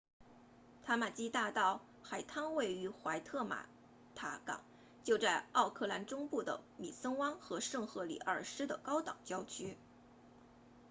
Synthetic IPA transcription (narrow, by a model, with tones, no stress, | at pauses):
t̪ʰa˥ma˨˩t͡ɕi˥t̪a˥˧t̪ɑ˥˩ʊ | xa˨˩ɪt̪ʰɑ˥ŋwe˥˩ɪy˧˥xwa˧˥ɪt̪ʰɤ˥˩ma̰˨˩ | t̪ʰa˧˥kɑ̰˨˩˦ŋ | t͡ɕjo˥˧ʊt͡sa˥˧ɪɑ˥˧ʊkʰɤ˥˩la˧˥nʈ͡ʂʊ˥ŋpu˥˩d̪ə̰˩mi˨˩sə˥ŋwɑ˥ŋxɤ˧˥ʂɤ˥˧ŋxɤ˥˩lḭ˨˩ʔə˞˥˩ʂɻ̩˥d̪ə˨kɑ˥ʊt̪ɑ˨˩ŋt͡ɕjɑ˥ʊt͡ɕʰy˥